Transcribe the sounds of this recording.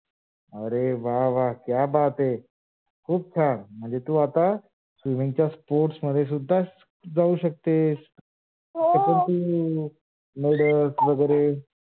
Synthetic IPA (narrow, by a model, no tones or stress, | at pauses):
əɾeʋaʋaɦkjabat̪e | kʰuːb̚t͡ɕʰaɾm̤əɳd͡zet̪uːat̪a | sʋimiŋt͡ɕjaspoɾʈsməd̪ʱjes̬ud̪ʱːas | d͡zauɕək̚t̪es | kəpəɳt̪uː | meɽəsʋəɡəjɾe